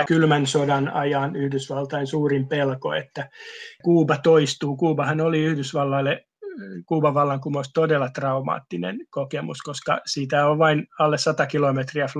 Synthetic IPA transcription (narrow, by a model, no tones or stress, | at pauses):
kylmænsodɑnɑ̰jɑnyhdysʋɑlt̪ɑinsuːrimpelko̰ḛt̪ːækuːbɑt̪oist̪uːkuːbɑhɑnoliyhdysʋɑlːɑlːe | kuːbɑʋɑlːɑŋkumoust̪odelːɑt̪rɑumɑ̰ːt̪ːinḛnkokemṵskoskɑ̰sit̪æoʋʋɑinɑlːessɑt̪ɑkilomet̪riæf